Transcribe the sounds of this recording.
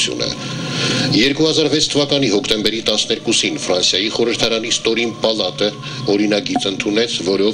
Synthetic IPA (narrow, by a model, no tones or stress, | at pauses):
jṵnə̰ | jɛɾkuhɑzɑɾvɛt͡sʰt̪ʰəvɑkɑn̪iɦɔkʰt̪ɛmbɛɾit̪ɑsnɛɾkusinfɾɑnsjɑjiχɔɾəɾt̪ʰɑɾɑnist̪ɔɾimpɑlɑt̪ə | ɔɾinɑɡit͡sənt̪ʰunɛt͡sʰvɔɾɔ